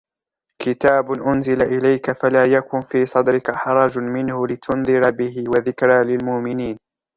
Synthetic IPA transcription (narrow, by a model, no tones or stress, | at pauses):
kɪt̪aːbʊʔʊnzɪlaʔɪlajkafalaːjakʊnfiːsˤɑd̪ɾɪkaħɑɾˤɑːd͡ʒmɪnhʊlɪt̪ʰʊnðˤɨɾabɪhɪwaðɪkɾalɪlmʊʔmɪniːn